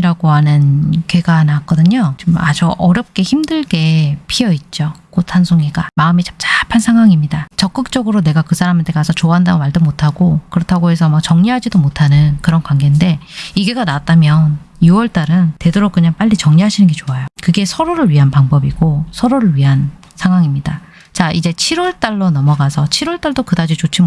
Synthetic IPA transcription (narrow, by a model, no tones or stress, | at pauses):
iɾaɡ̥oɦanɯnkeɡanak͈ʌdɯɲot͡ɕoma̰d͡ʑuʔʌɾjʌp̚k͈e̞çimdɯɭɡe̞pʰijʌit̚t͡ɕ͈okotʰansʰoŋiɡamaɯmet͡ɕḁmt͡ɕapʰansʰaŋɦwaŋimɲidat͡ɕʌk͈ɯk̚t͡ɕ͈ʌɡɯɾone̞ɡakɯsʰaɾamentʰe̞ɡasʰʌt͡ɕoaɦandaɡomaɭdomotʰaɡokɯɾʌtʰaɡoe̞sʰʌmʌt͡ɕʌŋɲiɦad͡ʑidomotʰanɯnkɯɾʌnkwaŋɡende̞iɡe̞ɡanaat͈amjʌn | juwʌɭt͈aɾɯnte̞doɾok̚k͈ɯɲaŋp͈aʎːit͡ɕʌŋɲiɦaɕʰinɯnɡe̞t͡ɕoajokɯɡe̞sʰʌɾoɾɯɭɥiɦanpaŋbʌbiɡ̥osʰʌɾoɾɯɭɥiɦan | sʰaŋɦwaŋimɲida | t͡ɕaid͡ʑe̞t͡ɕʰiɾwʌɭt͈aɭːonʌmʌɡasʰʌt͡ɕʰiɾwʌɭt͈aɭdokɯdad͡ʑit͡ɕot͡ɕʰi